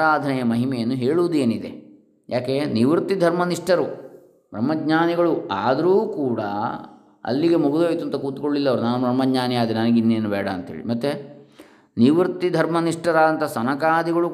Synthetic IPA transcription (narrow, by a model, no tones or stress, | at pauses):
aːd̪ʱɐnɛjɐmɐɦimɛjɐnːuɦe̞ːɭuʋud̪ueːnid̪e̞̰ | jaːkeniʋɾt̪id̪ʱɐɾmɐniʂʈɐɾu | bɾɐmːɐɡɲaːniɡɐɭua̰ːd̪ɐɾuːkuːɽɐ̰ | ɐ̰lːiɡe̞muɡud̪oːjt̪uɐnt̪ɐkuːt̪u̥koɭːilːɐɐʋɐɾunaːnubɾɐmːɐɡɲaːnijaːd̪inɐnɐɡinːeːnubɛːɽɐːnt̪ɐɦḛːɭḭmɐt̪ːe | niʋɾt̪ːid̪ʱɐɾmɐniʂʈɐɾaːd̪ɐnt̪ʰɐsɐnɐkaːd̪iɡɐɭu